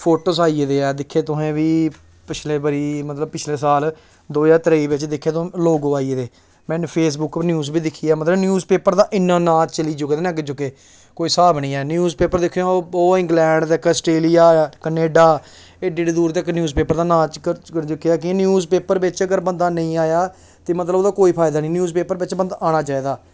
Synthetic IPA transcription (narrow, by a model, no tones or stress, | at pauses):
pʰoːʈoːsaːied̪eːɛːd̪ɪkʰːeːt̪ʊɦẽːʋiː | pɪt͡ʃʰleːbəɾiːmət̪ləb̚pɪt͡ʃʰleːsaːl | d̪oːjaːt̪əɾeiːbɪt͡ʃd̪ɪkʰːeːt̪õloːɡoːaːiːeːd̪eː | mɛ̃ːnpʰeːsbʊknjuːzbiːd̪ɪkʰiːaːmət̪ləbnjuːzpeːpəɾd̪aːʔɪnːãːnãːt͡ʃəliːd͡ʒʊɡd̪nɛ̃ːɡəd͡ʒʊkeː | koːiːsaːbnĩːɛːnjuːzpeːpəɾd̪ɪkʰːjõːoːɪ̃ŋɡlɛ̃ːɳɖt̪ːkəsʈeːlijaːkəneːɖaː | eɖiːɖiːd̪uːɾt̪əknjuːzpeːpəɾd̪aːnãːt͡ʃkəəɾd͡ʒʊkːejaːkɪnjuːzpeːpəɾbɪt͡ʃəɡəɾbə̃nd̪aːnəĩːaːjaː | t̪eːmət̪ləboːd̪aːkoːiːpʰaːɪd̪aːnĩːnjuːzpeːpəɾbɪt͡ʃbə̃nd̪aːñaːt͡ʃaːiːd̪aː